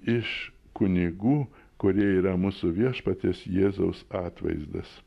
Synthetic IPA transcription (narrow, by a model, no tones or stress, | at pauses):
ɪʃ | kʊnʲɪɡuː | kʊɾʲiɛiːɾɐmuːsʊʋʲiɛʃpɐt̪ʲeːsjeːzɐʊsɑːt̪ʋɐ̰ɪzd̪ɐ̰s